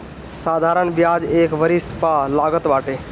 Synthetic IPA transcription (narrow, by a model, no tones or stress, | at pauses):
saːd̪ʱaɾənbjad͡ʒeːkʋəɾispalaːɡət̪baːʈe